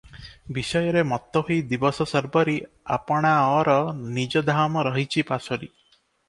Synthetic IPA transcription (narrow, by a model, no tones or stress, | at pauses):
bisɔjɔɾemɔt̪ːɔɦujd̪ibɔsɔsɔɾbɔɾi | apɔɽ̃aɔɾɔnid͡ʒɔd̪ʱamɔɾɔɦit͡ʃʰipasɔɾi